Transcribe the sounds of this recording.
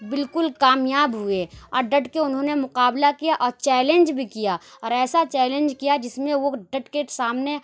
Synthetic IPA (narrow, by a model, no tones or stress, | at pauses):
bɪlkʊlkaːmjaːbɦʊeɔːɾɖəʈkeʊnɦõːnemʊqaːblakijaʔɔːɾt͡ʃɛːlẽnd͡ʒbʱikijaɔːɾɛːsat͡ʃɛːlẽnd͡ʒkijad͡ʒɪsmẽʋoɖɐʈkesaːmne